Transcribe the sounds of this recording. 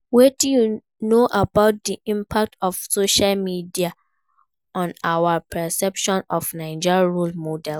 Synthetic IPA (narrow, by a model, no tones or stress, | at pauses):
wɛtiju | noʔabaʊt̚diʔĩmpʰak̚tɔfsoʃalmidia | ɔ̃nawapʰɛsɛpʃɔ̃nɔfnãɪd͡ʒaɹulmodɛl